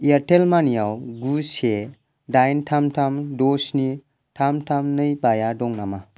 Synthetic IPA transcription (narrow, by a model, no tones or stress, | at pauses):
iaɾtelmanijawɡuse | dajntʰamtʰamdɔsni | tʰamtʰamnɯjbajadɔŋnama